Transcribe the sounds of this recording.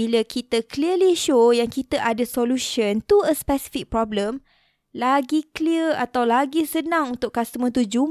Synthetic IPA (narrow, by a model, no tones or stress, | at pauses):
iləkit̪əkliəliʃojaŋkit̪əʔadəsoluʃənt̪uəspɛsi̥fik̚pɾɔbləm | laɡikliəat̪awlaɡisənãŋunt̪ʊʔkːast̪əmə̃nt̪̬ud͡ʒum